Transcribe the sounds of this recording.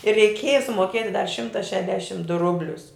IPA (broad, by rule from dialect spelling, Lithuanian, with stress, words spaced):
ɪr rʲɛɪˈkʲeːjɛ sʊmoːˈkʲiɛtʲɪ dɐr ˈʃʲɪmtɐ ˈʃʲæːdʲɛʃʲɪm dʊ ˈrʊbʲlʲʊs